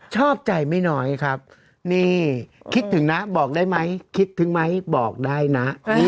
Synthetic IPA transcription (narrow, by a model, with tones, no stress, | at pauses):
t͡ɕʰɔː˥˩p̚t͡ɕa˨jma˥˩jnɔː˦˥jkʰa˦˥p̚ | niː˥˩kʰi˦˥t̪ʰːɯ˩˦ŋna˦˥bɔː˨˩k̚daː˥˩jma˦˥jkʰi˦˥t̪ʰːɯ˩˦ŋma˦˥jbɔː˨˩k̚daː˥˩jna˦˥ʔ